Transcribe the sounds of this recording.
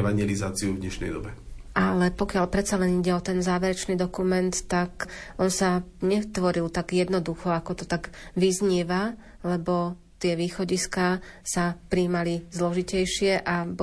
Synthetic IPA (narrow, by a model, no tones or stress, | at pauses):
ɛʋaɲɪɛlizaːt͡siuvd̪ɲɛʃnɛ̰jd̪ɔ̰bɛalɛpɔkɪalpɾɛt̪salɛniɟɛɔt̪ɛnzaːʋɛɾɛt͡ʃniːd̪ɔkumɛnt̪ːakʔɔnsaɲɛt̪ʋɔɾilt̪aɡjɛd̪nɔd̪uxɔakɔt̪ɔt̪aɡʋizɲiɛʋa | lɛbɔ | t̪ɪɛʋiːxɔɟiskaːsapɾiːmalizlɔʒicɛjʃɪɛʔa